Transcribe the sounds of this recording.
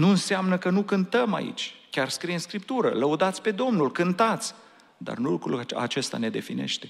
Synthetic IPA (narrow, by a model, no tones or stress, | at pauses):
nuɨnseamnəkənukɨnt̪əma̰ḭt͡ʃʲkʲarskɾijenskɾipt̪uɾələud̪at̪sʲpe̞d̪o̞mnulkɨnt̪at̪sʲ | d̪a̰rnulukɾṵla̰t͡ʃe̞st̪a̰ne̞d̪e̞fine̞̰ʃt̪e̞